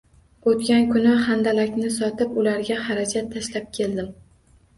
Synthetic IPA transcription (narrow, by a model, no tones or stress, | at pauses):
ot̪kʲankʰʊnɪχand̪alakʲnɪsɒt̪ʰɪpʊlaɾɡʲahaɾad͡ʒat̪ʰːaʃlap̚kʲʰe̞ld̪ɪm